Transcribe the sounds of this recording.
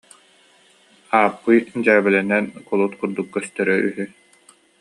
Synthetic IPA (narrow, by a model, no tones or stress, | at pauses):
aːpːɯjd͡ʑaːbɛlɛnɛnkɔlˠut̪kuɾd̪ukːœst̪ɛɾœʔyɦy